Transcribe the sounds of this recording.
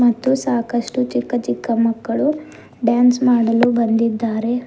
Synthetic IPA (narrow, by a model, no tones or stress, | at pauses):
mɐt̪ːusaːkɐʂʈut͡ʃikːɐt͡ʃikːɐmɐkːɐɭu | ɖjaːnsmaːɽɐlubɐnd̪id̪ːaːɾe